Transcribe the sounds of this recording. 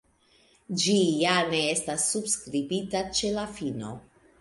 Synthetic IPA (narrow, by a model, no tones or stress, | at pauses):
d͡ʒijane̞estasːubskɾibitat͡ʃe̞lafino̞̰